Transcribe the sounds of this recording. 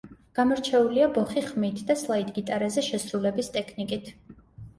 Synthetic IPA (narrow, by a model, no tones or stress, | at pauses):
ɡ̥amɔɾt͡ʃʰɛuliabɔχiχmit̪ʰd̪aslˠaid̪ɡit̪ʼaɾazɛʃɛsɾulɛbist̪ʼɛkʰnikʼit̪ʰ